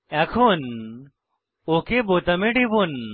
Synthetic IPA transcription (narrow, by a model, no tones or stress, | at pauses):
akʰon | okʰeboːt̪ɐmeɖibon